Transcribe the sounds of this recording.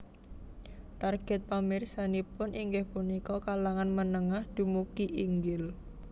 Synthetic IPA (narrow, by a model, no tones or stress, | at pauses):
t̪arɡ̥ɛt̪̚pamirsanipʊnʔiŋɡɪhpunikɔkalaŋanmənəŋahd̪̥ṳmukiʔiŋɡɪl